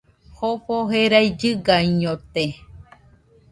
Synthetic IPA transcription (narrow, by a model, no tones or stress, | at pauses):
hopoɦeɾajd͡ʒɨɡaɲõt̪e